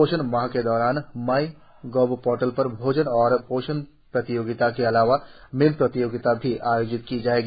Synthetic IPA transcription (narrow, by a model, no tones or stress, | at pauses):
oːʃənʋaɦked̪ɔːɾaːnmaːi | ɡoːbpoːɾʈəlpɐɾbʱoːd͡ʒənɔːɾpoːʃən | pɾɐt̪ɪjoːɡɪt̪akeɐlaːʋamɪlpɾɐt̪ɪjoːɡɪt̪abʱiʔaːjoːd͡ʒɪt̪kid͡ʒaːeːɡi